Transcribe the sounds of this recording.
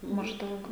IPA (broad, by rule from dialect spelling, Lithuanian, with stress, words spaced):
mɐʒˈdɐʊk